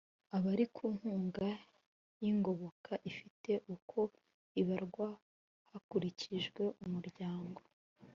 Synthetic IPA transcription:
aβaɾikʰuːŋhuːŋɡa | jiŋɡo̞βo̞kʰaʔifite̞ʔukʰo̞ | iβaɾɡwa | hakuɾiciʒɡwe̞ʔumuɾɟaːŋɡo̞

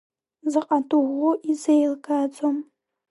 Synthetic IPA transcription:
zɨqʼatʼuʁʷʊʔizejlɡʼad͡zʼom

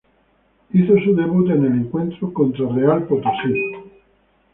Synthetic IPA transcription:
iθosud̪ebut̪̬eneliŋkwent̪ɾokont̪ɾorealpot̪osil

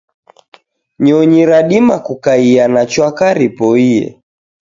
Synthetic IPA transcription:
ɲɔɲiɾaɗimakukaianat͡ʃwakaɾipɔiɛ̰

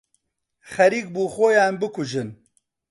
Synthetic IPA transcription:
xɐɾiːk̚buːxoːjaːnbɨkʊʒɨn

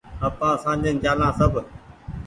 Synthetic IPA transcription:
əpãːsãːd͡ʒə̃nd͡ʒaːlãːsəbʱ

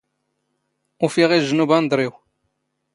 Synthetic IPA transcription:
ufiʁiʒːənubænd̪ˤɾˤiw

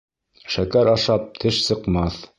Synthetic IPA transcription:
ʃækæɾɑʃɑp̚t̪ʰɘʃsɤ̆qmɑθ

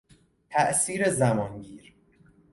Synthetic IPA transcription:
t̪ʰæʔsiːɾezæmɒːnɟiːɾ

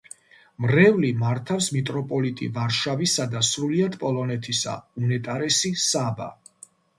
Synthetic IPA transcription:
mɾɛvlimaɾt̪ʰafsmit̪ʼɾɔpʼɔlit̪ʼḭvaɾʃavisad̪asɾuliad̪pʼɔlˠɔnɛt̪ʰisa̰unɛt̪ʼaɾɛsisaba̰

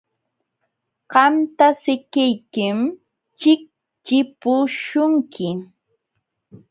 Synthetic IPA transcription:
ɢɑmt̪asɪkɪjkɪm | t͡ʃɪk̚ | t͡ʃɪpʊʃʊŋkʰɪ

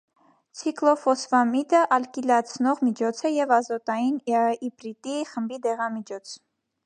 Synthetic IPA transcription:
t͡sʰiklɔfɔsfɑmit̪əʔɑlkilɑt͡sʰnɔʁmit͡ʃʰɔt͡sʰəjɛvɑzɔt̪ɑjinipɾit̪iχəmbid̪ɛʁɑmit͡ʃʰɔt͡sʰ

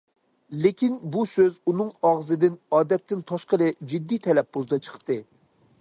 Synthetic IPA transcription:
lɪkʲinbusøzunɨŋɑʁzɨd̪ɪnɑːd̪ɛt̪ʰːɪnt̪ʰɑʃqəlˠɨd͡ʒid̪ːijt̪ʰɛlɛp̚bozd̪ɑt͡ʃʰə̥χt̪ɨ

